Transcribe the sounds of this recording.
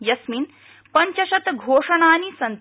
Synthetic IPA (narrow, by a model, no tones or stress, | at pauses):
jɐsmiːn | pɐɲt͡ʃɐʃɐt̪ɡʱoːʂɐɳaːnisɐnt̪